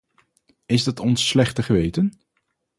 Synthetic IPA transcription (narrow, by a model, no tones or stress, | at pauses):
ɪzdɑtɔnsːlɛχtəχəʋejtən